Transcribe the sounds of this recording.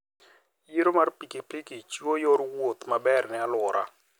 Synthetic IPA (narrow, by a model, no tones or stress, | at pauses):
jiɾomarpikipikɪt͡ʃwojoɾwot̪mabɛrnɪalʊɾa̰